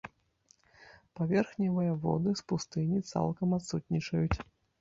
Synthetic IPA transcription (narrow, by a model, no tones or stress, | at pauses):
pavʲɛrxnʲivɨjɐvɔ̰d̪ɨspust̪ɨnʲit̪sa̰lˠkɐmat̪sut̪ʲnʲit͡ʂɐjut͡sʲ